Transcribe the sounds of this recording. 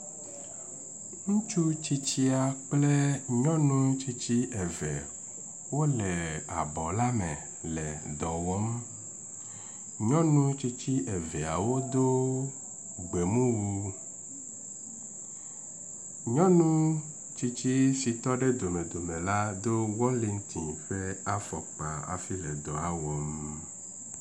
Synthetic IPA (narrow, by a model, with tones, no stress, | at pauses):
ŋũ˦t͡ʃu˦t͡ɕi˦t͡ɕi˦a˨k͡ple˦ɲɔ̃˦nũ˦t͡ɕi˦t͡ɕi˦ɛ˨vɛ̰˨ | wo˦lɛ˨a̰˨bɔ˨la˦mɛ̰̃˨ | lɛ˨d̪ɔ˨wɔ˨˦m | ɲɔ̃˦nũ˦t͡ɕi˦t͡ɕi˦ʔɛ˨vɛ˨a̰˨wo˦d̪o˦ | ɡ͡be˨mũ˦wu˦ | ɲɔ̃˦nũ˦ | t͡ʃi˦t͡ʃi˦si˨t̪ɔ˦ɖe˦d̪o˨mɛ˨d̪o˨mɛ̃˨la˦d̪o˦wɔ̃˦li˨ŋ̩̃˦t̪ʰĩ˨ɸe˦a˦fɔ˨k͡pa̰˨a̰˨fi˦lɛ˨d̪ɔ˨a˦wɔ˨˦m